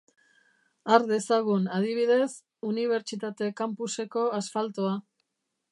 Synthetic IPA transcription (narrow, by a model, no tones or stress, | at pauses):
aɾd̪e̞saɣunað̞iβ̞iðe̞s | uniβ̞e̞ɾt͡ʃit̪at̪e̞kampuse̞ko̞asfalt̪oa